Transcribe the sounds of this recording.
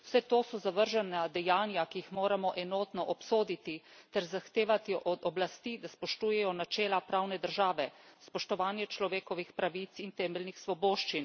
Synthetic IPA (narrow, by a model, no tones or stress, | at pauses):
wsɛt̪oːsɔzaʋəɾʒɛnad̪ɛjaːnjakijixmoːɾamɔʔɛnoːt̪nɔʔɔpsoːd̪it̪it̪ɛɾzaxt̪eːʋat̪iʔɔd̪ɔblast̪id̪aspɔʃt̪uːjɛjɔnat͡ʃɛːlapɾaːwnɛd̪əɾʒaːʋɛspɔʃt̪ɔʋaːnjɛt͡ʃlɔʋeːkɔʋixpɾaʋit̪sint̪ɛːmɛlnixsʋɔboːʃt͡ʃin